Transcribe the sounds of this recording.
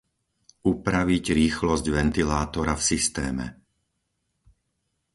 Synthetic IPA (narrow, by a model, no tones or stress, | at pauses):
upɾaʋiɟɾiːxlɔzɟʋɛnt̪ilaːt̪ɔɾafsist̪ɛ̰ːmɛ̰